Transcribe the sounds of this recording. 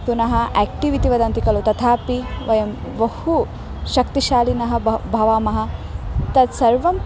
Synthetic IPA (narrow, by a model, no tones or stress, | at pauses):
punɐɦɐʔæːk̚ʈiʋit̪iʋɐd̪ɐnt̪ikɐlut̪ɐt̪ʰaːpiʋɐjɐm | ʋɐhu | ʃɐkt̪iʃaːlinɐɦɐ̆bʱɐʋaːmɐɦɐ̆t̪ɐd̪sɐɾʋɐm